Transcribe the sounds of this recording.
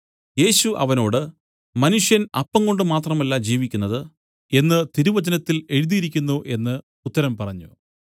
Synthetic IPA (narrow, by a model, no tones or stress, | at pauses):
je̞ːɕuʔɐʋɐno̞ːɽɨ | mɐnuʂjɐnɐpːɐŋko̞ɳɖɨmaːt̪rɐmɐlːad͡ʑiːʋikʲːunːɐðɨ | e̞nːɨt̪iɾuʋɐd͡ʑɐnɐt̪ːile̞ɻuðiiɾikʲːunːuʔe̞nːɨ | ut̪ːɐɾɐmpɐrɐɲːṵ